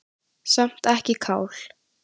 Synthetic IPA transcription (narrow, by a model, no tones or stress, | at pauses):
sam̥t̪ɛhcɪkʰaːwl̥